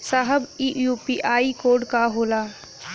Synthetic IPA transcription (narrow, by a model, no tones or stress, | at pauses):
saɦəbijuːpiʔaːikoːɾɖkaɦoːlaː